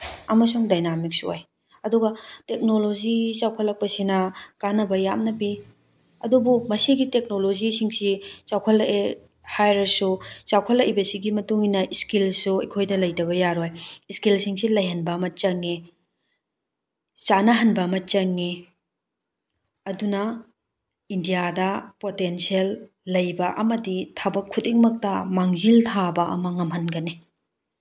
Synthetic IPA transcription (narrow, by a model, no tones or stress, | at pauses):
ɐmɐs̬uŋdajnamik̚suo̰j | ɐduɡɐtek̚nolozit͡ʃawkʰɐlɐk̚pɐsinɐkanɐbɐjamnɐbi | ɐdubumɐsiɡitek̚nolozisiŋsit͡ʃawkʰɐlɐʔe | hajɾɐsut͡ʃawkʰɐlːɐʔjbɐsiɡimɐtuŋinɐiskilsuɐ̰kʰojdɐlɐjdɐβɐjaɾojskilsiŋsilɐjɦɐnbɐmɐt͡ʃɐŋːi | t͡ʃanɐɦɐnbɐːmɐt͡ʃɐŋːi | ɐdunɐ | indijadɐpotensielː | ɐjbɐʔɐmɐditʰabɐkʰːudiŋmɐk̚tɐmaŋziltʰabɐʔɐ̰mɐŋɐmɦɐnɡɐni